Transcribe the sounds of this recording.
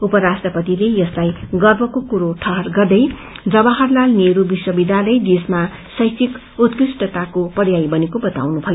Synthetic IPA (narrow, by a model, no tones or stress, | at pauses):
upʌɾasʈrʌpʌt̪ilejʌslajɡʌrbʱʌkokuɾoʈʰʌɦʌrɡʌrd̪ʌj | d͡zʌbaɦʌrlalneɾubiswʌbid̪ʱjalʌjd̪esma | sʌjt͡sʰik | ut̪kisʈʌt̪akopʌrjajbʌnekobʌt̪a̰wnubʱʌjo